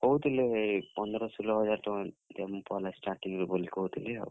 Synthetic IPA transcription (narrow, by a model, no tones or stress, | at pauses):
kɔut̪ilepɔnd̪ɾɔsulɔɦɔd͡ʒaɾt̪ɔt̪empɔlasʈaɾʈiŋɾubolikɔɦut̪ʰilea̰